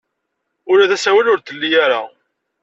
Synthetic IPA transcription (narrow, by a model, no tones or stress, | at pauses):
ʊɾæðæsæwælʊɾθəlːijaɾa̰